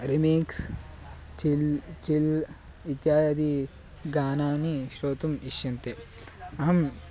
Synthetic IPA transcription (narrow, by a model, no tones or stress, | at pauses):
ɾimeːks | t͡ʃilt͡ʃil | it̪jaːjɐd̪i | ɡaːnaːniʃɾoːt̪umiʃjɐnt̪e | ɐɦɐm